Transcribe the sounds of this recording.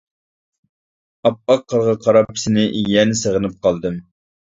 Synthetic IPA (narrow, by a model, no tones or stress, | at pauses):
ɑp̚ɑqʰːəɾʁɑqʰɑɾɑpʰːɪ̥sɪnɪjɛnɪsəʁənɨp̚qʰɑlˠd̪ɨm